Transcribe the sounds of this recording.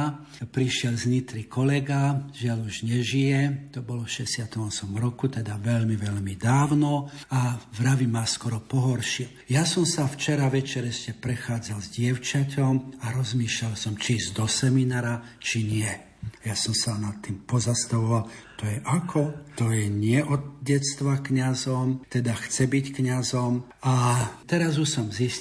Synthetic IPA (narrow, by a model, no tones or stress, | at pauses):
pɾiʃɪɛlzɲit̪ɾikɔlɛɡaʒɪaluʒɲɛʒijɛt̪ɔbɔlɔfʃɛsɪat̪ɔmɔsɔmɾɔkut̪ɛd̪aʋɛʎmiʋɛʎmid̪aːʊnɔavɾaʋimaːskɔɾɔpɔɦɔɾʃiɛ | jasɔmsaft͡ʃɛɾaʋɛt͡ʃɛɾɛʃcɛpɾɛxaːd͡zalzɟɪɛʊt͡ʃacɔmaɾɔzmiːʃʎalsɔmt͡ʃizd̪ɔsɛminaːɾa | t͡ʃiɲɪɛ | ajasɔmsanat̪ːiːmpɔzast̪aʋɔʋalt̪ɔjɛʔakʰɔt̪ɔjɛɲɪɛʔɔd̪̚ɟɛst̪ʋakɲazɔmt̪ɛd̪axt͡sɛbickɲazɔmat̪ɛɾazusɔmzis